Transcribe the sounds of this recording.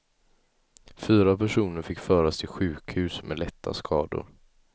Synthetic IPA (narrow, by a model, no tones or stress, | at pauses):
fyːɾapʰæʂuːnəɾfɪkːfœːɾast̪ʰɪlɧʉ̟ːkhʉ̟ːsmɛlɛt̪ʰːa̰skʰɑːd̪ʊ̰ɾ